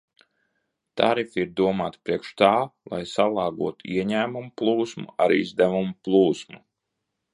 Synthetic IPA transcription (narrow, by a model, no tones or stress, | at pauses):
t̪a̰ɾifiɾd̪uɔmaːt̪pɾiɛkʃt̪aːlˠa̰jsalˠɑːɡuɔt̪uiɛɲæːmumuplˠuːsmṵaɾizd̪ævumuplˠuːsmu